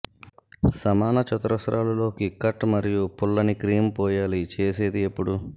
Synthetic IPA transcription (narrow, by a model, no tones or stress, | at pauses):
sɐmaːnɐt͡ʃɐt̪ɾɐsɾʔaːlɐlo̞ːkikɐʈːmɐɾijupulːɐnikɾiːmpɔːjaːlit͡ʃeːse̞ːd̪iepːuɽu